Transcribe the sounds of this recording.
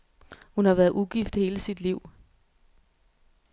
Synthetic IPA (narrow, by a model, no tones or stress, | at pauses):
hunhɑ̈ʋæːɐðˠʔuɡ̥ifd̥he̝ːləsid̥liʊ̰